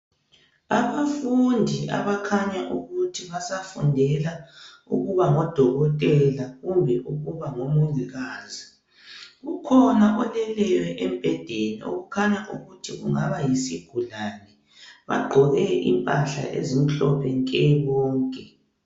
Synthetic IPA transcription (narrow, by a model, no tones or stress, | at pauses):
aβafundʱiʔa̰βakʰaɲaʔuɣutʰiβasafundʱɛla | ṵɣuβaŋɔd̥ʱɔɣɔtʼɛlaɣumbʱɛʔuɣuβaŋomuɣiɣaːzi | ɣukʰɔnaʔɔlɛlɛjɛʔɛmpɛd̥ʱenio̰ɣukʰaɲaʔṵɣutʰiɣṵŋaβajisiɡ̥ʱulanɛ | βa̰ɡ͡ǃʱɔɣɛʔḭmpʼaɬa̰ʔḛzim̩ɬɔpʰɛŋkʼɛβɔːŋkʼɛ